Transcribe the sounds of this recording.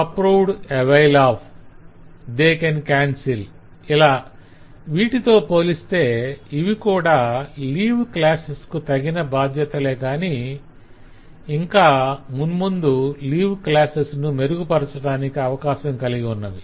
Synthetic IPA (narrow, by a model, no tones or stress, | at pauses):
ɐpɾowɖeʋejlaːpʰ | d̪eːkɐnkaːnsil | ilaː | ʋiːʈit̪o̞ːpo̞ːlist̪e̞ːiʋikuːɽaːliːʋklaːseskut̪ɐɡinɐbaːd̪ʱjɐt̪ɐleːɡaːni | iŋkaːmunmund̪uliːʋklaːsesnume̞ɾuɡupɐɾɐt͡ʃɐɽaːnikiɐʋɐkaːʃɐmkɐliɡiunːɐd̪i